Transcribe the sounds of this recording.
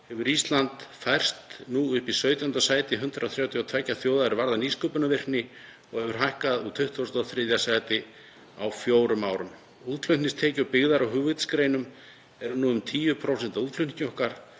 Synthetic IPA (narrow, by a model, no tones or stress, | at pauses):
hɛvʏɾist̪lant̪fajr̥st̪nuʏhpisœːɥt̪jant̪asaːjt̪ɪɦʏnt̪ɾaawθɾjawt̪ʰijawt̪ʰɛcːaθjoːwðaðɾvaɾðaniːskɔːpʏnavɪr̥nɪ | ɔɣɛvʏɾ̥ɦajhkaðut̪ʰʏht̪ʰvosnt̪aθɾɪðjasajt̪ɪ | awfjoːwɾʏmaːwɾʏm | uðk̪ʰlʏnnɪst̪ʰɛːcapɪɣðaɾawɦʏːvʏt̪skɾejnʏm | ɛɾnuːʏmt̪ʰiːʏpʰɾowsɛnt̪auðlʏncowhkaɾ̥